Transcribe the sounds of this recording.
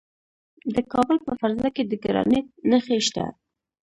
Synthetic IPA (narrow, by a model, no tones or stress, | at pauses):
d̪əkɑbəlpəfaɾzlaked̪əɡaɾɑ̰nɪt̪̚nəxeʃt̪a̰